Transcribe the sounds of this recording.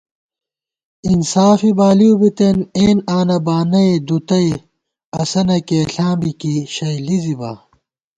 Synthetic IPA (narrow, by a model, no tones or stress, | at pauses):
insaːfibaːlijubit̪eneːnaːnɐbaːnɐjd̪ut̪ɐj | ɐsɐnɐkeːɬãːmbikiɕɐjlizibɐ̰ː